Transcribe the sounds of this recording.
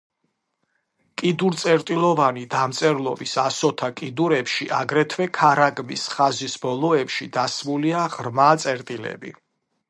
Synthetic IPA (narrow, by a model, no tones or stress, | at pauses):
kʼid̪uɾt̪sʼɛɾt̪ʼilˠɔvanid̪amt̪sʼɛɾlˠɔ̰bisasɔt̪ʰakʼid̪uɾɛpʃiʔaɡɾɛt̪ʰvɛkʰaɾaɡmisχazisbɔlˠɔɛpʃid̪asmuliaʁɾmat̪sʼɛɾt̪ʼilɛ̰bḭ